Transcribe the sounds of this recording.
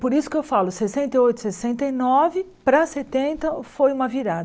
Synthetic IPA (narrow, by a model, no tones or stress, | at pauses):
poɾisʊ̥kɪewfalʊsesẽnt̪eojt̪ʊ̥sesẽnt̪ejnɔvɪ | pɾɐset̪ẽnt̪ɐfojũmɐviɾad̪ɐ